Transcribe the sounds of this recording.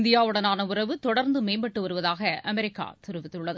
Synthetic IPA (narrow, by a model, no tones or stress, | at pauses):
nd̪ɪjaːɯɽɐnaːnɐʊrɐʋɯt̪ɔɽɐɾnd̪ɯmeːmbɐʈːɯʋɐɾɯʋɐðaːɣɐɐmɛɾɪkːa̰ːt̪ɪɾɯʋɪt̪ːɯɭːɐðɯ